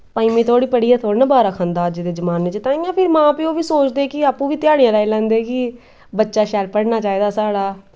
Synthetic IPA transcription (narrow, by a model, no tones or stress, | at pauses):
paːiːmĩːt̪ʰoːɽiːpəɽiːãːt̪ʰoːɽnabaːɾaːkʰãːnd̪aːd͡ʒed̪eːd͡ʒəmaːnːeːt͡ʃt̪ãːɪjãːpʰɪɾmãːpiːoːʋiːsoːt͡ʃd̪eːkɪaːpũːʋiːt̪ɪjaːɽijãːlaːilɛ̃ːnd̪eːkɪ | bətːʃaːʃɛɾpəɽnaːt͡ʃaːiːd̪aːsaːɽaː